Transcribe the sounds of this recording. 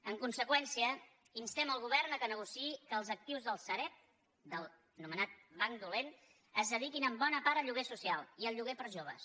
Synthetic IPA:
əŋkunsəkwɛnsiə | inst̪ɛməlˠɣ̞uβɛrnəkənəɣ̞usiikəlˠzək̚t̪iwzðəlˠsəɾɛt̪̚ | d̪əlˠ | numənat̪̚βaŋd̪ulen | əzðəð̞ikinəmbɔnəpaɾəʎuɣesusialˠiəlˠʎuɣepəɾʒoβə̰s

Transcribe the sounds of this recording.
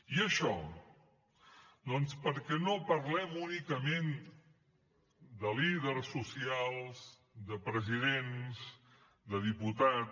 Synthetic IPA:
iəʃɔ | d̪ɔnspəɾkɛnopəɾlɛmunikəmen | d̪əliðəɾsːusialˠs | d̪əpɾəziðenz | d̪əðiput̪a

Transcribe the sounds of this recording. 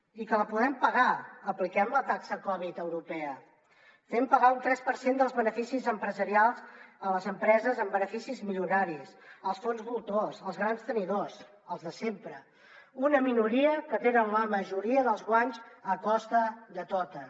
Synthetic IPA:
ikələpuðɛmpəɣaəplikɛmlət̪aksəkɔβ̞it̪əwɾupɛə | fɛmpəɣaunt̪ɾɛspəɾsend̪əlˠzβənəfisizəmpɾəzəɾialˠzələzəmpɾɛzəzəmbənəfisizmiʎunaɾisəlˠsfonzβulˠt̪ozəlˠzɣɾanst̪əniðos | əlˠzðəsempɾə | unəminuɾiəkət̪enənləməʒuɾiəðəlˠzɣwaɲzəkɔst̪əðət̪ot̪ə

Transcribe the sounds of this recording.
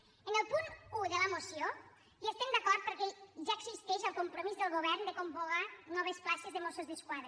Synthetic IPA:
ənəlˠpunuðələmosijo | ʒoest̪ɛmd̪akɔɾt̪̚pəɾkɛʒaəɡzist̪ɛʃəlˠkumpɾomizðəlˠɣoβɛɾnd̪əkomboɣanɔβ̞esplaʃezðəmosozðəskwaðɾe

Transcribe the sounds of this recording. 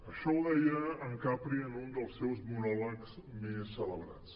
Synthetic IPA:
əʃɔðɛjəəŋkapɾiənund̪əlˠsɛwzmunɔləksmesːələβɾa̰t͡s

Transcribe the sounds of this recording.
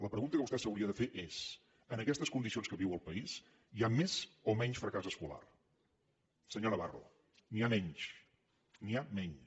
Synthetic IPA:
ləpɾəɣunt̪əkəβust̪ɛsəwɾiəðəfeʔes | ənəkɛst̪əskund̪isionskəβiwəlˠpəis | iamezomɛɲʃfɾəkazəskula̰r | səɲoɾəβa̰ro̰ | niamɛɲʃ | niamɛɲ

